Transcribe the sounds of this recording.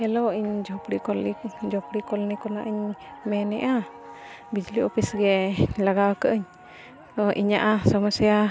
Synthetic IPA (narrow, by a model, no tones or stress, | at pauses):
ɛlɔwiɲd͡ʒɔpɾikɔlid͡ʒɔpɽikɔlnikɔnaʔəɲmɛnɛʔa | bid͡ʒliɔpisɡɛlaɡawɔkəʔəɲ | ɔʔiɲaʔasɔmasija